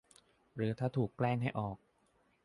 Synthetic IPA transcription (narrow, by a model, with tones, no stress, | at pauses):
ɾɯː˩˦t̪ʰaː˥˩t̪ʰuː˨˩kːlɛː˥˩ŋɦa˥˩jʔɔː˨˩k̚